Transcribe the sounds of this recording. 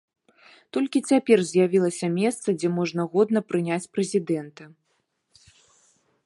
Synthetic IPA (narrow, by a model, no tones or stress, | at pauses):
t̪ɔlʲkʲit͡sʲapʲɛrzʲjavʲilˠɐsʲɐmʲɛst̪sɐd͡zʲɛmɔʐnɐɣɔd̪nɐpɾɨnʲat͡sʲpɾɛzʲid̪ɛnt̪ɐ